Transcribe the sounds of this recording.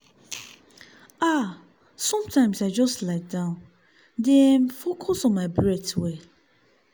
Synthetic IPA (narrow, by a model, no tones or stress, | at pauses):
ʔa | sɔ̃mtʰãɪ̃msaɪd͡ʒɔstlaɪt̚dãʊ̃n | dɛ̃nfɔkʰɔsɔmaɪbɹɛswe